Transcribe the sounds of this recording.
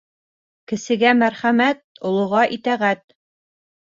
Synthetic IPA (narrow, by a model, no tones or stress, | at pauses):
kɘ̆sɘ̆ɡæmæɾχæmæt̪̚ŏlˠŏʁɑʔit̪æʁæt̪̚